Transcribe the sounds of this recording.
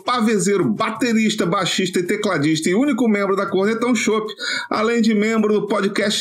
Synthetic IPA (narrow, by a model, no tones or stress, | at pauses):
pavezeɾʊbat̪eɾiʃt̪ɐbaʃiʃt̪ɐɪt̪eklad͡ʒiʃt̪ɐɪũnikʊmẽmbɾʊd̪ɐkohnɛt̪ɐ̃w̃ʃopɪ̥a̰lẽj̃d͡ʒɪmẽmbɾʊd̪ʊpɔd͡ʒikɛst͡ʃ